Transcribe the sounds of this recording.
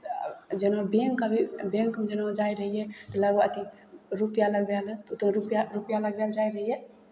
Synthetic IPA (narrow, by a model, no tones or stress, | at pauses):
d͡ʒenbeŋkəbʱibeŋkmed͡ʒenod͡ʒajɾəɦijet̪ələɡoət̪i | ɾupjaləɡbɛlt̪ut̪neɾupjaɾupjaləɡbɛld͡ʒajɾəɦije